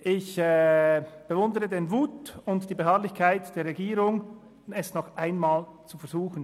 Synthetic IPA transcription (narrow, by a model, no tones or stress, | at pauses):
ʔɪçɛb̥əvʊndəʁədenvuːtʊntd̥iːbeɦaːɐlɪçkʰaɪtd̥eːɐʁeɡiːɾʊŋ | ɛsnɔχʔaɪnmaːlt͡sufɛɐzuːxən̩